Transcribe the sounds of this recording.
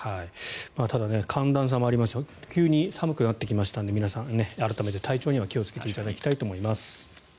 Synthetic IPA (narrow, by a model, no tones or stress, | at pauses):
haimaːt̪ad̪ane̞kʰãnd̪ãɰ̃s̬ãmoaɾimasɨ̥t̪akʲɨːɲ̟isamɯ̟kɯ̟nat̪ːe̞kʲimaɕi̥t̪ãnd̪e̞mʲinasãnne̞aɾat̪ame̞t̪e̞t̪ʰait͡ɕo̞ːɲ̟iβakʲio̞t͡sɨ̥ke̞t̪e̞it̪ad̪akʲi̥t̪ait̪oːmoimasɨ̥